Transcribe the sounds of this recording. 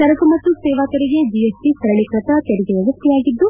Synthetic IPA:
sɐɾɐkumɐt̪ːusɛːʋaːt̪ɐɾiɡe̞d͡ʒijesʈisɐɾɐɭikɾɐt̪ɐt̪eɾiɡeɐʋɐst̪ijaːɡid̪ːu

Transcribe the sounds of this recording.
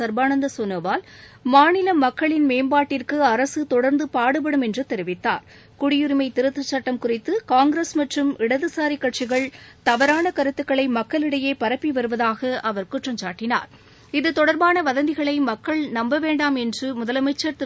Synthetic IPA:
sɐɾbaːnɐnd̪ɐsɔnːɐʋaːlmaːnɪlɐmɐkːɐɭɪnmeːmbaːʈːɪrkɯɐɾɐsɯt̪ɔɽɐɾnd̪ɯpaːɽɯp̬ɐɽɯmɛndrɯt̪ɛɾɪʋɪt̪ːa̰ːɾ | kʊɽɪjʊɾɯmɐɪt̪ɪɾɯt̪ːɯt͡ʃːɐʈːɐmkʊrɪt̪ːɯkaːŋɡɾesmɐʈrɯmɪɽɐðɯsaːɾikːɐʈ̚t͡ʃɪɣɐɭt̪ɐʋɐɾaːnɐkɐɾɯt̪ːɯkːɐɭɐɪmɐkːɐɭɪɽɐjeːpɐɾɐpːiʋɐɾɯʋɐðaːɣɐʔɐʋɐɾkʊʈrɐɲt͡ʃaːʈːɪna̰ːɾ | ɪðɯt̪ɔɽɐɾbaːnɐʋɐðɐnd̪ɪɣɐɭɐɪmɐkːɐɭnɐmbɐʋeːɳɖaːmɛndrɯmʊðɐlɐmɐɪt͡ʃːɐɾt̪

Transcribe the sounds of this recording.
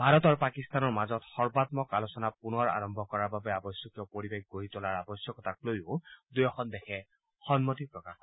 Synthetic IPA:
bʱaɹɔtɔɹpakistanɔɹmazɔtxɔɹbatmɔkalosɔnapunɔɹa̰ɹɔmbʱɔkɔɹaɹbabɛabɔsjɔkjɔpoɹibeɡ̚ɡoɹitɔlaɹabɔsjɔkɔtʰak̚lojʊdujɔxɔndɛkʰɛ | xɔnmɔtipɹɔkax

